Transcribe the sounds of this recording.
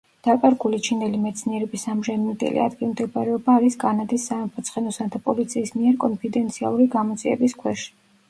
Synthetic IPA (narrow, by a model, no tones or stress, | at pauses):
d̪̥akʼaɾɡulit͡ʃʰind̪ɛlimɛt̪sʰniɛɾɛbisamʒɛnmɛd̪ɛ̰lḭa̰d̪ɡilˠmd̪ɛbaɾɛɔbaːɾiskʼanad̪isːamɛpʰɔt̪sʰχɛnɔsad̪apʼɔlit̪sʰiːsmiɛɾkʼɔnpʰid̪ɛnt̪sʰia̰lˠuɾiɡamɔt̪sʼiɛ̰biskʰwɛʃi̥